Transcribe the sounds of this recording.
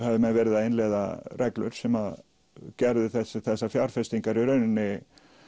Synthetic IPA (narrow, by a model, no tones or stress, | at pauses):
hɛvðɪmɛðvɛːɾɪðaðejnlɛða̰rʔɛklʏ̰ɾ̥sɛmað | cɛɾðɪθɛsɪθɛsːafjawɾ̥fɛst̪iŋkaɾiɾœːɥnɪnːɪ